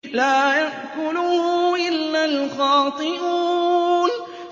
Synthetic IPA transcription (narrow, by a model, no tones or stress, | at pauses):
laːjaʔkʊlʊhʊʔɪlːalxɑːt̪ˤɨʔuːn